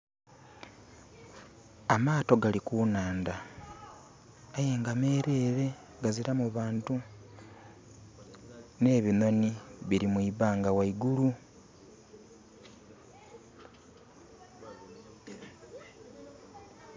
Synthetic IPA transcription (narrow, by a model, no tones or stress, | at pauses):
amaːto̞ɡalikuːnaːnda | ajeːŋɡame̞ːɾe̞ːɾe̞ | ɡaziɾamuβaːntu | ne̞ːβino̞niβiɾimwiːβaːŋɡawaiɡulu